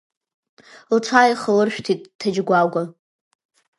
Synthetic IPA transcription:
lt͡sʷʰajiχəlɨrʃᶣtʰitʼtʰːad͡ʒɡʷaɡʷa

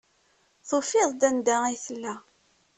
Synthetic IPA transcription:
θofɪðˤd̪ænd̪æijθəlːæ

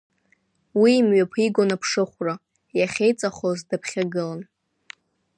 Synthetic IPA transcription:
wiːmɥapʰiɡʷonapʰʂɨχʷra | jaχʲejt͡sʼaχozdapʰχʲaɡɨlan

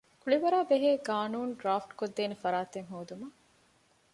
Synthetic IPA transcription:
kuɭiʋɐɾaːbeɦeːɡaːnuːnɖɾaːfʈkod̪ːeːnefɐɾaːt̪eŋɦoːd̪umɐ

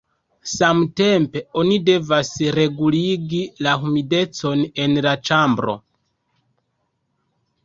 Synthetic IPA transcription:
samte̞mpe̞o̞nide̞vasɾe̞ɡuliɡilahumide̞t͡so̞ne̞nlat͡ʃambɾo̞̰

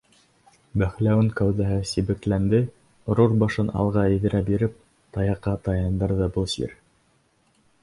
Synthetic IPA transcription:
bæχlæwɘŋkæwðæɦɘsiβɘ̆klænd̪ɘ | ɾuɾbɑʃɤnʔɑ̰lˠʁɑɘ̆ðɘ̆ɾʔæbiɾɘp̚ | t̪ɑjɑqːɑt̪ɑjɑnd̪ɤɾðɑbɤlˠsḭɾ

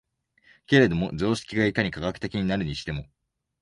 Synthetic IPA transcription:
ke̞ɾe̞d̪o̞mo̞zo̞ːɕi̥kʲiɡaikaɲ̟ikaɡakɯ̟̥t̪e̞kʲiɲ̟inaɾɯ̟ɲ̟iɕi̥t̪e̞mo̞

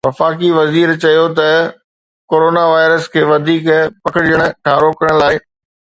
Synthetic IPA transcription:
ʋɐfaːk̬iʋɐziːɾt͡ɕɐjot̪̬ɐ | koːɾoːnaʋaːɪɾəskʰeːʋɐd̪ʱiːkpɐkɪɽijəɽ̃ʊ̆ʈʰãːɾoːkəɾɽ̃laːɪ

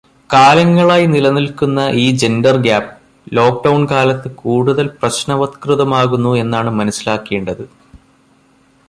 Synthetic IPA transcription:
kaːlɐŋːɐɭaːjnilɐnilkunːɐʔiːd͡ʑe̞nɖɐrɡjaːpːɨ | lo̞ːk̚ɖɐwɳkaːlɐt̪ːɨkuːɽuðɐlprɐɕnɐʋɐt̪krɨðɐmaːɣunːue̞nːaːɳɨmɐnɐsːilaːkːeːɳɖɐðɨ

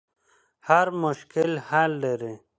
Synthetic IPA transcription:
haɾmʊʃkɪlhald̪eɾi

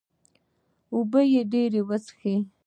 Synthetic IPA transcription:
ubəjeɖeɾewat͡sxi

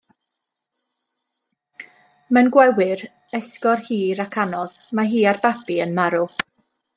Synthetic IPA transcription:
mɛnɡwɛwɪɾ | ɛskɔrhiːɾakʰanɔð | maɦiːarbabiənmaɾʊ

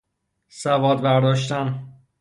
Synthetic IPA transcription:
sævɒːd̪bæɾd̪ɒːʃt̪æn

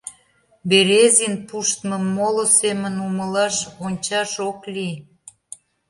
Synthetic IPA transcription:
beɾezinpuʃt̪mə̆mːolosemənuməlɑʃonʲt͡ɕɑʃokli

